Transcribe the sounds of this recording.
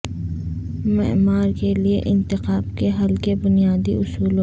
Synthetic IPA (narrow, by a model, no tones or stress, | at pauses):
mɪ̰maːɾkelieʔɪ̃nt̪ɪqaːbkeɦɐlkebʊnijaːd̪iʔʊsuːlo